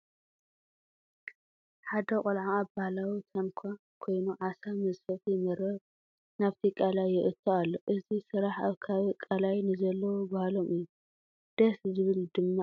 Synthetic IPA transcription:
ħad̪ɐkʼɐlʕaabahlawit̪ʰɐnkʰa | kʰo̞jnuʕasamɐzfɐfjɪmɐɾɐβ | naβt̪ʰikʼalajːɪʔɨt̪ʰːoalːoʔɨzisɨɾaħaβkʰaβɨkʼalajnɨzɐlːɐwobahlo̞mɨjːu | d̪̥ɐszɨβɨld̪ɨmːa

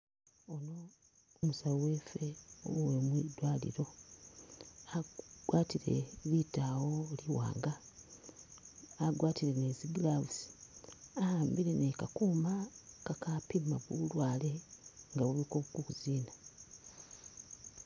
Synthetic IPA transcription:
ono̞ː | musawowe̞fe̞o̰wwemwidwaːlḭɾo̞ | aɡ̥waːtiɾe̞̰βitawo̞liwa̰ːŋɡa | ɡwaːtiɾe̞neziɡilaβusi̥ahaːmbiɾe̞nekakuːmakakapimaβulwaːle̞ŋɡaβuβikoβukukuziːna

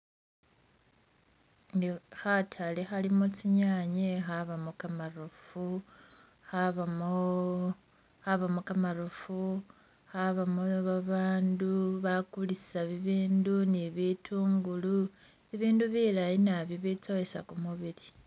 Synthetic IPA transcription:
ndixatʰalixalimot͡siɲaɲexaβamokamarufu | xaβamo | xaβamokamaɾufu | xaβamoβaβaːnduβakulissaβiβiːnduniβitʰuːŋɡulu | eβiːnduβilajinaβjoβit͡so̞esa̰kumuβili

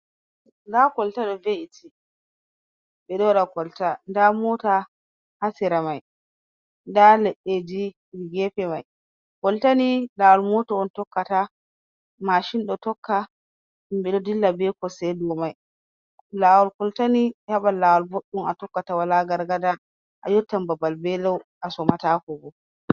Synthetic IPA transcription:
ndakɔltaɗɔveitʰi | bɛɗɔɗakɔltandamɔta | hasiɾamaj | ndalɛɗːed͡ʒi | ɾiɡɛpɛmaj | kɔltanilawalmɔtɔɔntɔkːata | maʃinɗɔtɔkʰːa | imbɛɗɔdilːabɛkɔsɛdɔmaj | laːwalkɔltanihaɓalːawalboɗːumatɔkːatawalaɡaɾɡada | ʔa̰jɔtːambabalbɛlɔwʔasɔmatakɔbɔ

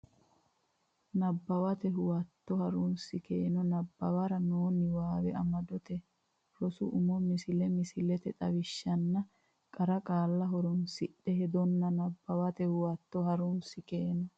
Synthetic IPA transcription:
nɐbːɐwɐt̪ɛɦʊwɐt̪ːɔhɐɾunsɪkeːnɔnɐbːɐwɐɾɐnoːnɪwaːwɛɐmɐd̪ɔt̪ɛ | ɾɔsʊ̰ʔʊmɔmɪsɪlɛmɪsɪlɛt̪ɛt̪ʼɐ̰wɪʃːɐnːɐ | kʼɐɾɐkʼaːlːɐɦɔɾɔnsɪɗːɛhɛd̪ɔnːɐnɐbːɐwɐt̪ɛhʊwɐt̪ːɔɦɐɾunsɪkeːnɔ

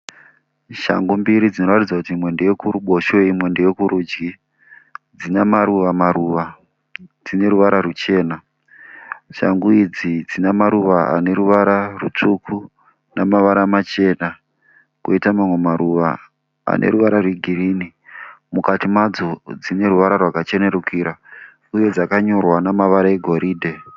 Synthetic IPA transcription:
ʃa̰ŋɡumbiɾid͡zino̞ratid͡zakutimwe̞ndejekuɾuɓo̞ʃoimwe̞ndejekuɾud͡ʒɡi | d͡zinamaɾuʋamaɾuʋa | d͡zine̞ɾuʋaɾarut͡ʃe̞ːna | ʃa̰ŋɡuid͡zid͡zinamaɾuʋaa̰ne̞ɾuʋaɾarut͡ʂukʰu | namaʋaɾamat͡ʃe̞na | koitamamwe̞maɾuʋa̰ | a̰nʔḛɾuʋaɾarweɡʱiriːni | mukatimad͡zod͡zine̞ɾuʋaɾarwakat͡ʃeneɾukiːɾa | uje̞d͡zakaɲo̞rwanamaʋaɾaeɡʱo̞ɾiːdʱe̞

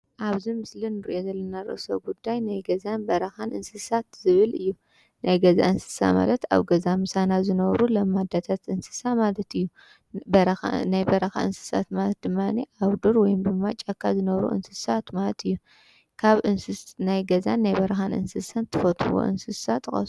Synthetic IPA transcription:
ʔaβzimɨslɨnɨɾiʔo̞zɐlːɐnaɾɨ̰ʔso̰ɡud̪ːajnajɡɐzanbɐɾɐxanʔɨnsɨsat̪zɨβɨlɨjːu | nʔajɡɐza̰ʔɨnsɨ̥sa̰ma̰lɐt̪a̰βɡɐzamɨsanazɨnɐβɾulɐmːad̪at̪ʰat̪ʔɨnsɨ̥samalɐt̪ʰɨjːu | bɾnajbɐɾɐxa̰ɨ̰nsɨ̥sa̰t̪malɐt̪̚d̪ɨmːaniʔaβd̪uɾwɔjumbɨmːat͡ʃʼːakʰːazɨnɐβɾṵʔɨ̰nsɨsat̪malɐt̪ʰɨjːu | kʰaβʔɨnnajɡɐza̰nːajbɐɾɐxanʔɨ̰nsɨsant̪ʰɨfɐt̪ʰuwo̰ʔɨ̰nsɨsat̪ːɨxʼɐ̰su

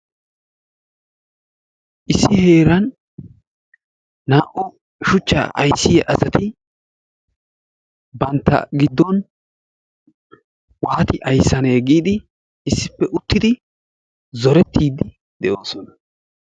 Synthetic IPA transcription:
ʔɪsːɪhe̞ːɾɐn | aːʔɔ | ʃʊt͡ʃːa̰ʔɐ̰jsːɪjɐʔɐsɐt̪ɪ | bɐnt̪ːɐ̰ɡɪd̪ːɔn | waːt̪ɪʔɐjsːɐneːɡiːd̪ɪ | ɪsːɪpːɛʔʊt̪ːɪd̪ɪ | zɔɾɛt̪ːiːd̪ɪ | d̪ɛʔo̞ːsɔnɐ

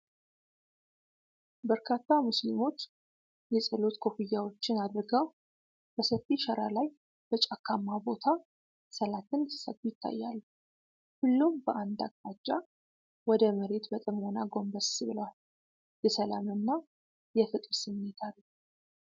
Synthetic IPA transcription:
bəɾkʰat̪ːamuslimo̞t͡ʃː | jɛsʼəlo̞t̪kʰo̞fijːawo̞t͡ʃːɪnad̪ɾɨɡəw | b̥əsəfiʃəɾʔalaj | b̥ət͡ʃʼakʰːamːabo̞t̪ʰa | səlat̪ʰɨnsə̰t̪ːujɪt̪ʰːa̰jːa̰lː | hʊlːumbəʔand̪a̰kt̪ʼad͡ʒːa | wɔd̪əməɾe̞t̪bət̪ʼəmhonaɡo̞mbəsbɨləwal | jɛsəla̰mɨnːa | jɛfɨt̪ʼɾsɨmːe̞t̪ʰalː

